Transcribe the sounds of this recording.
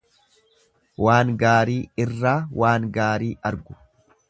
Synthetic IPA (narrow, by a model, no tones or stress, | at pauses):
waːŋɡaːɾiːɪrːaːwaːŋɡaːɾiːɐɾɡʊ̥